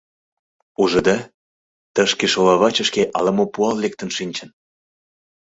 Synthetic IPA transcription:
uʒə̆d̪ɑ | t̪əʃkeʃolɑβɑt͡ɕəʃkeʔɑləmopuɑllek̚t̪ə̆nʃinʲt͡ɕə̆n

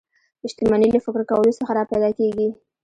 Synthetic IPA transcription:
ɪʃt̪ɪmɑnilafɪkɾkawəlosəxaɾɑpajd̪ɑkeɡi

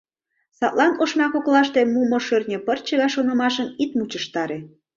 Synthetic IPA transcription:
sɑt̪lˠɑnoʃmɑkoklɑʃt̪emumoʃørnʲə̆pərt͡ɕə̆ɣɑʃonəmɑʃənit̪mut͡ɕəʃt̪ɑɾe

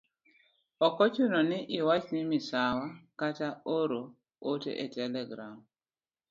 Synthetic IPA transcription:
ɔkɔt͡ʃunɔnɪʔɪwat͡ʃnɪmɪsawakataoɾo | otḛʔetɛlɛɡɾam

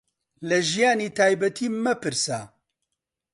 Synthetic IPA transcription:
lɛʒijaːniːt̪ʰaːjbɛt̪ʰiːmɛpʰɨɾsa̰ː

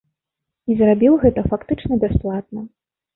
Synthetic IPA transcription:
izrabʲiwɣɛt̪ɐfakt̪ɨt͡ʂnɐbʲasplˠat̪̚nɐ

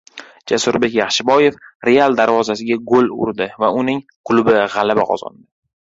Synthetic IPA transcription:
d͡ʒasʊɾbe̞kʲjɑχʃɪbɒje̞fɾe̞alˠd̪aɾvɒzasɪɡʲaɡolʊ̰ɾd̪ɪvaʊnɪŋqʰʊlˠʊbɪʁɑlabaqʰɒ̰zɒ̰nd̪ɪ

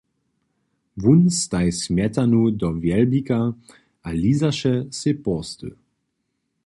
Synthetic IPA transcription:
vunst̪ajsmʲjɛt̪anud̪ɔvjɛlbika | ʔaliːzaʃɛsepɔst̪ə̰

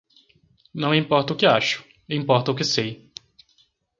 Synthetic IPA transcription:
nɐ̃w̃ĩmpɔɾt̪ɐʊkɪaʃʊ̥ | ĩmpɔɾt̪ɐʊkɪsej

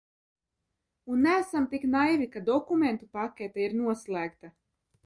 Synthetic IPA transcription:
unːææsamt̪iknajvikad̪ɔkument̪upakʲet̪ɛiɾnuɔslˠæːkt̪a

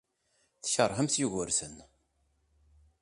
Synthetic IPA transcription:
θəçəɾˤhəmθjuʝəɾsən

